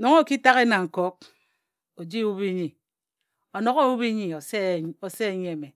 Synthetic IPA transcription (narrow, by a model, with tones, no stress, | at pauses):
no˨˦ŋo˦˨ki˦ta˦ɣe˦na˨ŋ̩˨kɔ˦k̚ | o˨d͡ʒi˦wu˦βi˦ɲi˨ | o˨no˨ɣo˦wu˦bi˦ɲi˨so˨se˦˨˦ɲe˦˨me˨